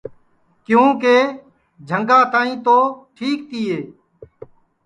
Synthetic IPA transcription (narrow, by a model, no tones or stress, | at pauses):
kjũːkeː | d͡ʒʱəŋɡãːt̪aːĩːt̪oːʈʰiːk̚t̪iːeː